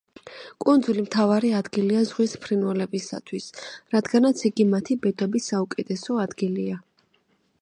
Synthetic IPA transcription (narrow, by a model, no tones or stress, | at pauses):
kʼund̪zulimt̪ʰavaɾiad̪ɡiliazʁwispʰɾinvɛlɛbisa̰t̪ʰwisɾad̪ɡanat̪sʰiɡimat̪ʰibɛd̪ɔbisːaukʼɛt̪ʰɛsɔad̪ɡilia